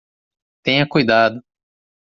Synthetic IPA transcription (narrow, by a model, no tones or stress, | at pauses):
t̪ẽɲɐkujd̪ad̪ʊ